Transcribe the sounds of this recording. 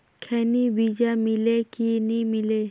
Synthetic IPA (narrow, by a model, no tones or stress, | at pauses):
kʰenibid͡ʒamilekinimile